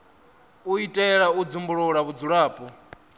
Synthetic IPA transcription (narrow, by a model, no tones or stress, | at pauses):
uitʼɛɺaud͡zumbuɺɔɺaβud͡zuɺaːpʼɔ